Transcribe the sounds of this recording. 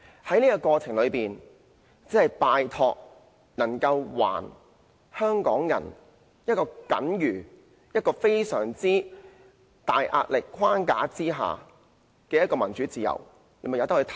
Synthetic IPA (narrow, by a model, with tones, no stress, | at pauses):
hɐ˨˥jniː˥kɔ˧kɔː˧t͡sʰɪ˨˩ŋlɵ˨˧piː˨n | t͡siː˨˥hɐ˨˩jpaː˨˧jt̪ʰɔː˧k̚ | nɐ˨˩ŋkɐ˧wwa̰ː˨˩n | hœː˥ŋkɔː˨˥ŋjɐ̰˨˩n | jɐ˥t̚kɔː˧kɐ̰˨˥njyː˨˩ | jɐ˥t̚kɔː˧fe˥jsœː˨˩ŋt͡siː˥ | t̪aː˨jʔa̰ː˧t̚lɪ˨kʰwaː˥nka̰ː˨˥t͡siː˥ɦa̰ː˨˩ | kɛː˧jɐ˥tkɔː˧mɐ˨˩nt͡ʃy˨˥t͡siː˨˧jɐ̰˨˩w | e˨˥m˨jt̪ɐ˥khːt̪ʰ